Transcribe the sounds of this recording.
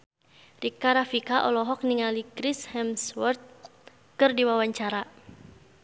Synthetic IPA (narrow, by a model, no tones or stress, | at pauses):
rikaɾafikaʔɔlɔɦɔk̚niŋalikɾishɛmswɔrt̪̚ | kɨrdiwawaɲt͡ʃaɾa